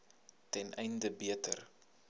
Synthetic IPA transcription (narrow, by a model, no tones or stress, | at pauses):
tɛnʔɛjndəbiətər